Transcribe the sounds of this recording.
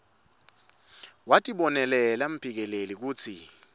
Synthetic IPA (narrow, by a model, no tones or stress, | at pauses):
watʼiɓɔnɛlɛlam̩pʰʼik̬ɛlelik̬uːt͡sʰi